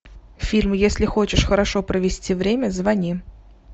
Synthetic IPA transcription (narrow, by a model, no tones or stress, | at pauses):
fʲilʲmjesʲlʲɪxɔt͡ɕɪʂxɐɾaʂɔpɾɐʋʲɪsʲtʲiʋɾʲemʲəzvanʲi